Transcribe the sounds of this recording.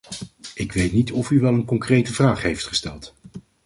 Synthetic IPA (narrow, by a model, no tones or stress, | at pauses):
ɪkʋejtnitɔfyʋɛlˠənkɔŋkrejtəvraːχɦejftχə̥stɛlˠt